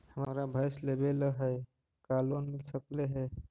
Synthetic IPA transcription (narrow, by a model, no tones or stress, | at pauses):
həmmɾabʱajslebeləɦɛj | kalonmilsəkleɦɛ